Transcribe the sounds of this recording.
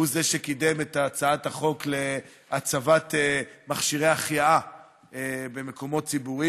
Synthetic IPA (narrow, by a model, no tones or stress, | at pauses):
uzeʃekidemetat͡saathaχo̞kle̞ | at͡savat̪emaχʃiʁejaχjaa | ebe̞meko̞mo̞t̚t͡sibuʁi